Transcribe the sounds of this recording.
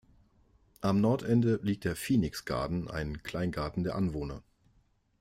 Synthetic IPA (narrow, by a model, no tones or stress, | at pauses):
ʔamnɔɐtʔɛndəliːk̚td̥eːɐfiːnɪksɡ̥a̰ɐdn̩ʔa̰ɪnkʰl̥aɪnɡaɐtn̩deːɐʔanvoːnɐ